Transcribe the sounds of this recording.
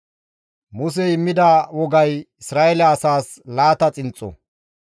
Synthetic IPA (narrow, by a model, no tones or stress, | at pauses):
mʊs̬ɛɪmːɪd̪aːwɔɡɐjɪsɾaːʔɛlɐːsaːs | laːt̪ɐt͡sʼɪnt͡sʼːɔ̰